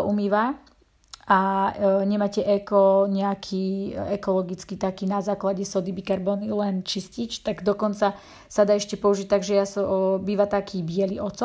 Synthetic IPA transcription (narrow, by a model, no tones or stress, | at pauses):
ʔumiːʋa | ʔaɲɛmaːcɛʔɛkɔɲɛakʰiɛkɔlɔɡit͡skit̪akiːnazaːklaɟɛsɔd̪ibikaɾbɔnilɛnt͡ʃiscit͡ʃt̪aɡd̪ɔkɔnt͡sa | sad̪aːɛʃcɛpɔuʒic̚t̪aɡʒɛjasɔbiːʋat̪akʰiːbɪɛlḭʔɔt̪t͡sɔ